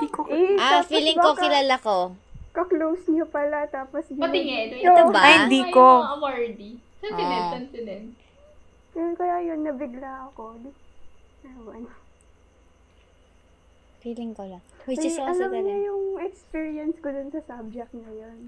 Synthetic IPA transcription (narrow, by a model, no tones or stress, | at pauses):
d̪ikoʔafiːlɪŋkokɪlaːlakokɐklowsɲopɐlat̪aːposjɐt̪ɪŋɛt̪oɐbahɪnd̪iːkomaɹd̪i | sɐnɪɛɐnt̪ɪd̪ɛn | jonkɐjajonːɐbɪɡlaɐkod̪ | ɛmɐn | fiːlɪŋkolɐŋwɐd͡ʒɐɐɐlɐmnɐjʊŋɛkspiɹiɐnskod̪ʊnsɐsab̚d͡ʒɛk̚t̪̚nɐjon